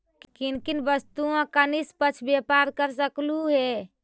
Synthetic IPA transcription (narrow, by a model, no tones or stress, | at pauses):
kinkinbəst̪uãkənispət͡ʃʰbepaɾkəɾs̬əkluɦɛ